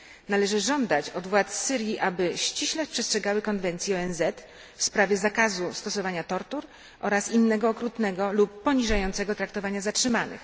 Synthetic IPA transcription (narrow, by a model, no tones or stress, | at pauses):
nalɛʐɘʐɔnd̪at͡ɕɔd̪vwat̪sːɘɾʲjiʔabɘɕt͡ɕiɕlɛpʂɛstʂɛɡawɘkɔnvɛnt̪sʲjiɔɛnzɛt̪ | fspɾavʲjɛzakazust̪ɔsɔvaɲat̪ɔɾt̪uɾ | ʔɔɾasinːɛɡɔːkɾut̪nɛɡɔlupːɔɲiʐajɔnt̪sɛɡɔt̪ɾakt̪ɔvaɲazatʂɘmanɘ̰x